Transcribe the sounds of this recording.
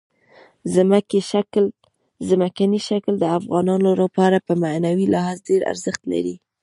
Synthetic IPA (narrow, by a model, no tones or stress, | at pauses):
zmakeʃakl | zamakaniʃakld̪əafɣɑnɑnoləpɑɾapəmanawilɑɦazɖeɾa̰ɾzəxt̪la̰ɾi